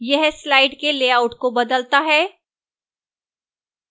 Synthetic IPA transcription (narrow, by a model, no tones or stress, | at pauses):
jɛɦslaːɪɖkeleːaːʊʈkobɐd̪əlt̪aɦɛː